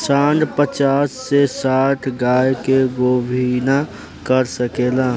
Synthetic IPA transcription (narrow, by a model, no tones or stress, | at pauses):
saːɳɖpət͡ʃaːsːesaːʈʰɡaːjkeɡobʱina | kəɾsəkeːlaː